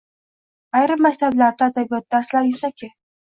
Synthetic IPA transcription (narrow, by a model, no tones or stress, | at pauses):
ajɾɪmːakʲt̪ʰablaɾd̪aːd̪abijɒt̪̚d̪aɾslaɾjʊsakʲʰɪ